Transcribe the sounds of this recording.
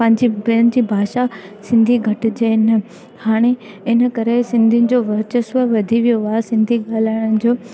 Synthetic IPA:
ɐ̃ɦɪ̃ɲd͡ʑibɪənɪ̆d͡ʑiːbʱaːʃasɪ̃nd̪ʱiɡʱɐʈɪ̆d͡ʑenə | haːɽ̃e | ɪnə̆kɐɾesɪ̃nd̪ʱinɪ̆d͡ʑoʋɐɾt͡ɕəsʋəʋɐd̪ʱiʋijoʋaːsɪ̃nd̪ʱiɠaːl̤aːɪɽ̃ə̃ɪ̆d͡ʑoː

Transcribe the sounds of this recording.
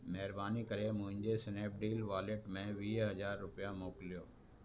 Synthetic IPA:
mɛɦɪɾbaːnikɐɾemʊ̃ɦɪ̃ɲd͡ʑesɪneːp̚ɖiːlʋaːleʈmẽʋiːɦɐzaːɾːʊpɪjamoːkɪlijoː

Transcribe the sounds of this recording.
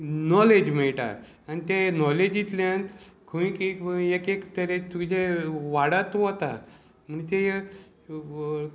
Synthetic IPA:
nɔled͡ʑmeɭʈa̰ | anit̪enɔled͡ʑit̪lãnt̪kʰəĩkikekekt̪əɾet̪ud͡ʑʱeʋaɽat̪oət̪a | m̤ənt̪e

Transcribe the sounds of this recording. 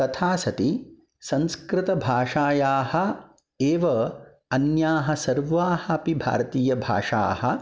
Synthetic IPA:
t̪ɐt̪ʰaːsɐt̪i | sɐ̃nskɾɪt̪ɐbʱaːʂaːjaːhɐ̆ | eːʋɐ | ɐnjaːɦɐ̆sɐɾʋaːhɐpibʱa̰ːɾɐt̪iːjɐbʱa̰ːʂa̰ːhɐ

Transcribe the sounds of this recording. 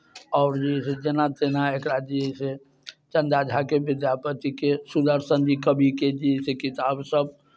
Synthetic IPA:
ɔʊɾd͡ʒised͡ʒenat̪enaekɾad͡ʒise | t͡ʃə̃nd̪ad͡ʒʱakeʋɪd̪japət̪ikesud̪əɾsənd͡ʒikəbʱiked͡ʒisekit̪absəb̚

